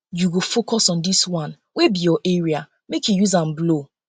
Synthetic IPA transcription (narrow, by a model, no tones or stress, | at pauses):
juɡofokɔsɔ̃ndiswãn | webijɔʔeɹia | mekjujuzãm̩blo